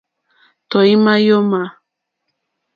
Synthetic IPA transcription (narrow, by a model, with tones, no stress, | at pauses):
t̪o˨jmajo˦ma˨